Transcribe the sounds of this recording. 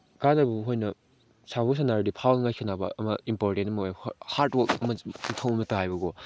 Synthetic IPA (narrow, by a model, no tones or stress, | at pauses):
ɡanɐbuɦojnɐ | sabus̬anaɾdipʰawlŋajkʰanabɐ̰ʔɐmɐimpoɾtentɐmɐjhaɾtwɐkɐmɐmtʰawɐmɐtaɦajbɐɡɔ